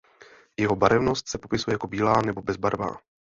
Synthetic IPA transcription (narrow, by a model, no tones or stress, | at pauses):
jɛɦo̞baɾɛvno̞st̪sɛpo̞pɪsujɛjako̞biːlaːnɛbo̞bɛzbaɾva̰ː